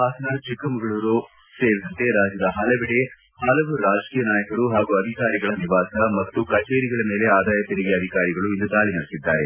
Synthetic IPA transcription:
aːsɐnat͡ʃikɐmɐɡɐɭuɾu | seːɾid̪ɐnt̪e̞ɾaːd͡ʒjɐd̪ɐɦɐlɐʋiɽe | hɐlɐʋuɾaːd͡ʒkiːjɐnaːjɐkɐɾuɦaːɡuɐd̪ʱikaːɾiɡɐɭɐniʋaːsɐmɐt̪ːukɐt͡ʃeːɾiɡɐɭɐmeːle̞aːd̪aːjɐt̪iɾiɡeɐd̪ʱikaːɾiɡɐɭuind̪ud̪aːɭinɐɽisid̪ːaːɾe̞

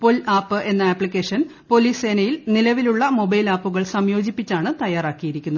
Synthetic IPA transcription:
polaːpːɨʔe̞nːɐaːpːlikʲːeːʂɐn | po̞liːse̞ːnɐjilnilɐʋiluɭːɐmo̞bɐjlaːpːuɣɐɭsɐmjo̞ːd͡ʑipːit͡ɕːaːɳɨt̪ɐjaːraːkːijiɾikʲːunːɐ

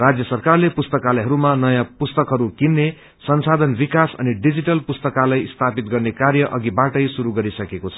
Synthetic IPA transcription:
rad͡zjʌsʌrkarlepust̪ʌkaleɦʌɾumanʌjãpust̪ʌkɦʌɾukinːe | sʌnsad̪ʱʌnbikasʌ̰niɖid͡ziʈʌlpust̪ʌkalajist̪ʰapit̪ɡʌrnekarjʌʔʌɡibaʈʌjsuɾuɡʌɾisʌkekot͡sʰʌ

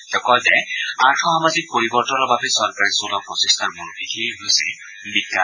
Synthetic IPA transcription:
tɔkɔlzɛaɹtʰɔɦamazik̚poɹibɔɹtɔnɔɹbabɛsɔɹkaɹisolɔpɔsɛst̪ʰɔɹmunbʰʱidʰʱiɦojsɛ̰ | bikːa̰

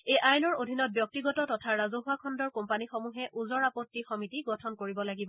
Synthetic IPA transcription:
ejʔajnɔɹodʱinɔt̚bjɔk̚tiɡɔtɔtɔtʰaɹazoɦuakʰɔndɔɹkɔmpanixomuɦɛʔuzɔɹapɔtːixɔmitiɡɔtʰɔnkoɹibɔlaɡibɔ

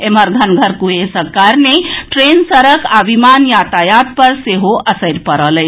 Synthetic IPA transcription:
eməɾɡʱənɡʱəɾkuɦesəɾkaɾneʈɾensəɾəkaʋimanjat̪ajat̪̚pəɾseɦoʔəsəɾpəɾələɪ

